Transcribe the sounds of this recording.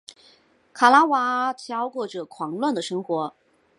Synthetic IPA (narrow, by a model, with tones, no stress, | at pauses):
kʰa˨˩la˥wa˧˥tʰjɑ˥ʊkwɔ˥˩ʈ͡ʂɤ˨˩kʰwɑ˧˥ŋlwa˥˩nd̪ə˩ʂɤ˥ŋxwɔ˧˥